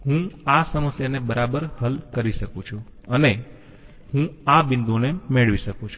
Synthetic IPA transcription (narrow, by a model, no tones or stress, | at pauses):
ɦũasəməsjanebəɾabəɾhəlkəɾiʃəkũt͡ʃʰũəne | hũabɪnd̪onemeɭʋiʃəkũt͡ʃʰu